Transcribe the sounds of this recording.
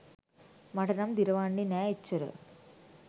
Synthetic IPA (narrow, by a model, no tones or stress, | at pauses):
mɐɽɐnɐmd̪iɾɐʋaːɳːinaːet͡ʃːɐɾɯ̰